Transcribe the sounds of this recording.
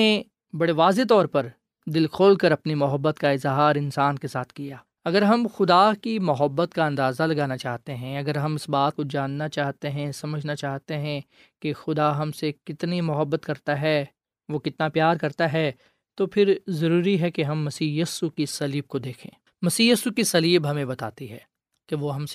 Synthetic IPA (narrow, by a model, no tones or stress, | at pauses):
e | bɐɽeʋaːzet̪̬ɔːɾpɐɾ | d̪ɪlkʰoːlkɐɾɐpnimʊɦəbːət̪kaɪzɦaːɾɪnsaːnkesaːt̪ʰkijaː | ɐɡəɾɦɐmxʊd̪akimʊɦəbːət̪kaɐ̃nd̪aːzalɐɡaːnat͡ʃaːɦt̪eɦɛ̃ɐɡəɾɦɐmɪsbaːt̪̚kod͡ʒaːnːat͡ʃaːɦt̪eɦɛ̃sɐməd͡ʒʱnat͡ʃaːɦt̪eɦɛ̃ | kexʊd̪aɦɐmsekɪt̪nimʊɦəbːət̪kɐɾt̪aɦɛ | ʋokɪt̪napjaːɾkɐɾt̪aɦɛ | t̪opʰɪɾzɐɾuːɾiɦɛkeɦɐmːɐsiːjɐsukisɐliːb̚kod̪eːkʰḛ̃ː | mɐsiːjɐsukisɐliːbɦɐmẽbɐt̪a̰ːt̪iɦɛː | keʋoɦɐmse